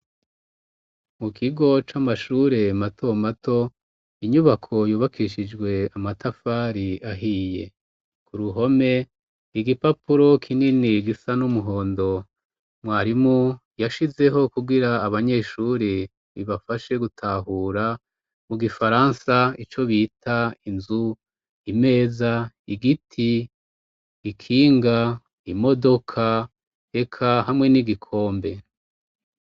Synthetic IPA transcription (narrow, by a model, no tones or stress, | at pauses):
mukʰiɡo̞t͡ʃamaʃuːɾe̞matʰomatʰo̞ | iɲuβakʰo̞juːβakʰiʃid͡ʒɡwe̞amatʰafaɾiaɦije̞ | kʰuɾuɦo̞me̞ | iɡipapuɾo̞kʰininiɡisanumuɦo̞ːndo̞ | mwaːɾimu | jaʃize̞ɦo̞kuɡiɾaːβaɲe̞ːʃuɾi | βiβafaʃe̞ɡutʰaɦuːɾa | muɡifaɾansait͡ʃo̞βiːtʰainzu | ime̞ːza | iɡitʰi | kʰiːŋɡa | imo̞do̞kʰa | e̞kʰaɦamŋe̞niɡikʰo̞ːmbe̞